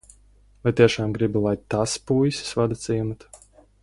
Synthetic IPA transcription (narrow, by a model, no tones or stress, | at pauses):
vajt̪iɛʃaːmɡɾibilˠajt̪aspujsʲi̥svad̪at̪siːmat̪